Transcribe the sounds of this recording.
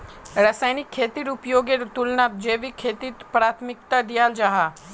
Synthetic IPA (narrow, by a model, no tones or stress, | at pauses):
ɾɐsaːjnɪkʰːeːt̪iɾupjoːɡet̪ulnat̪̚d͡ʒeːʋikʰeːt̪ipɾaːt̪ʰmɪk̚t̪ad̪ijaːld͡ʒaːɦa